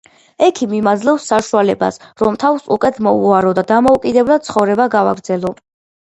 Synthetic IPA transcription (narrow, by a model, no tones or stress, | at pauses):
ɛkʰimimad̪zlɛfsːaʃualɛba̰sɾɔmt̪ʰavsukʼɛt̪ʰmɔuaɾɔd̪ad̪amɔukʼid̪ɛblˠad̪̚t̪sʰχɔvɾɛbaɡava̰ɡɾd̪zɛlˠɔ